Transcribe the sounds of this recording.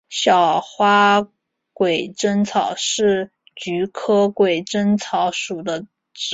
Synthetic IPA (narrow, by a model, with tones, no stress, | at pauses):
ɕjɑ˨˩ʊxwa˥ | kwe˨˩ɪʈ͡ʂə˥nt͡sʰɑ˨˩ʊʂɻ̩˥˩ | t͡ɕy˧˥kʰɤ˥kwe˨˩ɪʈ͡ʂə˥nt͡sʰɑ˧˥ʊʂu˨˩d̪ə˦ | ʈ͡ʂ̩˧